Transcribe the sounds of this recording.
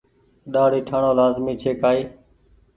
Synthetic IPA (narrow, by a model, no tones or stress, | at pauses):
ɗaːɽiːʈʰaːɳoːlaːzmiːt͡ʃʰeːkaːiː